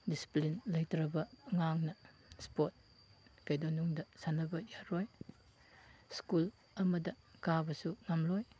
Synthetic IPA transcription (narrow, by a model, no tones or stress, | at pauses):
disi̥plinlɐjtɾɐbɐŋaŋnɐ | spot̚ | kɐjdonuŋdɐsanɐbɐjaɾɔj | skul | ɐmɐdɐ | kabɐsuŋamlɔj